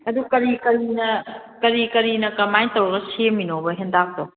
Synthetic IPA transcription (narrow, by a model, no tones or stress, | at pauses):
ɐdukɐɾikɐɾinɐkɐɾikɐɾinɐkɐmajtowɡɐseminobɐɦendak̚to